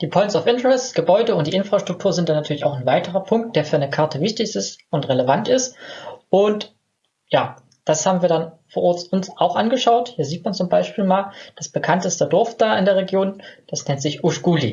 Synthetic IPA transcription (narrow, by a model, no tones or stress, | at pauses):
d̥iːpʰɔʏnsaʊfʔɪntəʁɛstɡ̥əbɔʏdəʊnt̚d̥iːʔɪnfʁ̥aʃtʁ̥ʊk̚tʰuːɐzɪntd̥anatʰyːɐlɪçaʊxnvaɪtəʁɐpʰʊŋk̚t̚d̥eːɐfyːɐanəkʰaɐtʰəvɪçtɪçɪstʊntʁeləvantɪstʔʊnt | jaː | d̥ashaːbm̩viːɐdanfoːɐʔɔɐt͡sʊnsʔaʊxʔanɡəʃaʊthiːɐziːtmant͡sʊmbaɪʃpiːlmaːld̥asb̥əkʰantəstədɔɐfd̥aːɪndeːɐʁ̞eɡjoːnd̥asnɛntz̥ɪçʔuʃɡ̥uːlḭ